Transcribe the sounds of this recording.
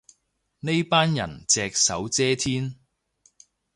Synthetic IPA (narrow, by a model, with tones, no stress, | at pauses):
ne˥jpaː˥njɐ̰˨˩nt͡sɛː˧k̚sɐ˨˥wt͡sɛː˥t̪ʰiː˥n